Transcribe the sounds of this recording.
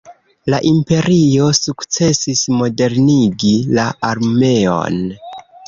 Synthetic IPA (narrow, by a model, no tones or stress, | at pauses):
laʔimpe̞ɾio̞sukt͡se̞sismo̞de̞ɾniɡilaaɾme̞o̞̰n